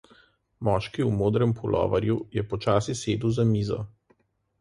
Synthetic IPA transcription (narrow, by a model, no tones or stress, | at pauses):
mɔːʃkiumoːd̪ɾɛmpʰulʔɔ̰ːʋaɾjujɛpɔt͡ʃaːsiseːd̪uzamiːzɔ̰